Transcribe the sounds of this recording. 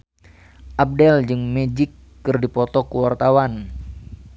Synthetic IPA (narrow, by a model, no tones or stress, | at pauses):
ʔab̚dɛld͡ʒɨŋmɛd͡ʒɪkː | ɨrdipɔt̪ɔkuwart̪awan